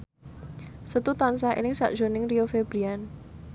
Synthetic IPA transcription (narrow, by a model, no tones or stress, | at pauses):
sət̪ut̪ans̬aḛlɪŋsa̰ʔd̥ʒ̥o̤nɪŋriofeb̥ɾian